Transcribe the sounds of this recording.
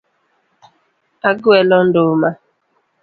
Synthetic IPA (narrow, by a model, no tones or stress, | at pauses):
aɡʊɛlɔn̩dʊma